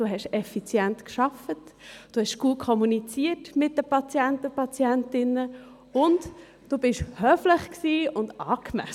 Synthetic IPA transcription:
d̥uːɦɛʃɛfit͡sjɛnt̪kʃɑfətd̥oːhɛʃɡ̥uːkʰχɔmunit͡siətmɪt̚dəpɑt͡sjɛntəpɑt͡sjɛntɪnə | ʊnt | d̥uːbɪʃhœːfləχksiːʊndɑ̰ːkmæ̰s

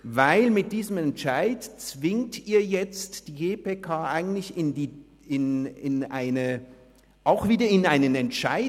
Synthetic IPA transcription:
vaɪlmɪt̚d̥iːzəmɛntʃaɪtt͡sv̥ɪŋtʰiːɐjɛt͡std̥iːɡeːpʰekʰaːʔaɪɡŋ̩n̩tlɪçɪndiː | ɪnɪnaɪnə | ʔaʊxv̥iːdɐɪnaɪnənɛntʃa̰ɪ

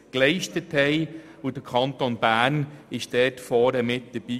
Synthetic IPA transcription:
klɛɪʃtəthɛɪ | ud̥əkʰɑntonb̥æːnɪʃd̥ɛːtfɔːɾəmɪt̚d̥̪əb̥iː

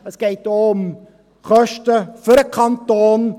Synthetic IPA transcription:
əsɡ̥ɛɪtoːʊm | χœʃtəfyɾəkʰɑntoːn

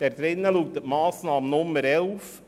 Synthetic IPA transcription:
d̥ɛɾd̥̪ɾɪnːəluːk̚t̪ətmɑːsnɑːmənʊmːəɾɛlf

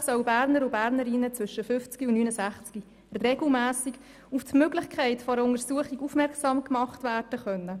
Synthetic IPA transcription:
sœwbæɾnəɾʊbæːɾnəɾɪnːət͡sʋʏʃːəfʏft͡skiʊnnyːnəsæχt͡ski | reɡl̩mæːsik | uftmøːɡlɪχkʰæɪtfɔɾəʊnəɾsuəχiɡufmɛɾksɑːmkmɑχtvæːrd̥əχœnːə

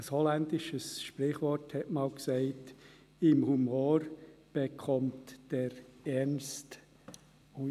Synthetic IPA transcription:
əshɔlændɪʃəsʃprɪχʋɔɾthɛtmɑːlksɛɪt | ɪmhumoːɾb̥ekʰɔmtd̥ɛɾɛnst | u

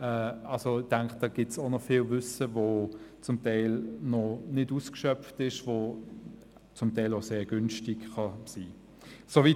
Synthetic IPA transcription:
ɛːɑlsoɪd̥aŋkχd̥ɑːɡ̥ɪtsonɔfɪːlvʏsəvot͡sʊmtaɪlnɔnɪduskʃœpftɪʃvo | t͡sʊmtaɪloʊseːɐɡ̥ʏnʃtɪkχɑsiː | sovi

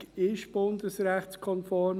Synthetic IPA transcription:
ɪʃb̥ʊnd̪əsɾæχtskʰɔnfɔɾm

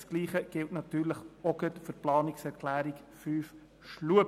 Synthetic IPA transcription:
sɡ̥liːχəɡ̥ɪltnɑt̪yːɾləχɔɡ̥œtfʏɾplɑːnɪksɛɾkʰlæːɾik | fyːf | ʃluə

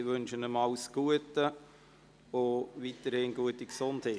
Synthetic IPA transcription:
ʋɵnʃənəmɑlsɡ̥uətə | ʋoʋiːtəɾhɪnɡuətiksonthe

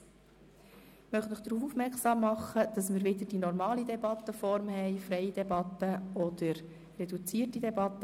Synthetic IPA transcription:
mœχnəχd̥̪ɾuːfufmɛksɑːmːɑχːəd̪̥ɑsmɪːɾʋɪd̪əɾd̥inɔɾmɑːlid̪ɛbɑt̪ːəfɔɾmhɛɪfɾɛjd̥ɛbɑt̪ːəɔd̪əɾ | rɛdut͡siːtid̪ɛbɑt̪ːə

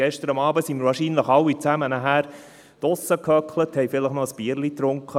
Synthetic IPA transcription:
ɛʃtəɾɑmɑːbəsimɪɾvɑːɾʃiːnləχɑwːit͡sæmənəɦæːɾ | t̪ɔsəkʰœkʰləthɛjfɪləχnɔəspiːəɾlit̪ɾʊŋkʰχə

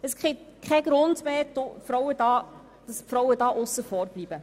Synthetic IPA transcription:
əsɡɪkʰχɛɡɾʊndmeːtofɾɔwəd̥ɑː | d̥ɑspfɾɔwədɑːʔʊsːəfɔɾb̥libə

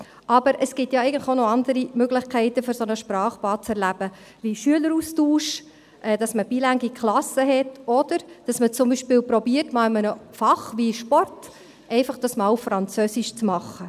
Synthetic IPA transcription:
ʔɑbəɾʔəsɡ̥ɪtjɑɛɪɡəntlɪχonoɑndəɾimøɡlɪχkʰɛɪtəføɾsɔnəʃpɾɑːχpɑːt͡sɛɾlæb̥ə | ʋiʃyələɾuːstuːʃ | ʔɛːd̥ɑsməbilæŋɡikχlɑsəɦɛtɔd̥əɾd̥ɑsmət͡sʊmbiʃpɪːlpɾɔbiːərtmɑːlɪmənəfɑχʋiʃpɔrt | ʔɛɪfɑχd̥ɑsmɑːwfɾɑnt͡søsiʃt͡smɑχːə

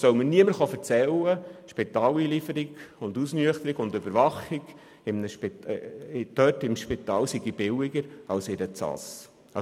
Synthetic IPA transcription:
sœwməniəməɾχɑfəɾt͡sɛlːəʃpit̪ɑːliːlifəɾɪɡ̥ʊndusnyəχt̪əɾɪɡʊndøbəɾʋɑχɪɡ | ɪmnəʃp | d̪̥œtɪmʃpit̪ɑːlsiɡib̥ɪlɪɡəɾɑlsɪdət͡sɑ̰s

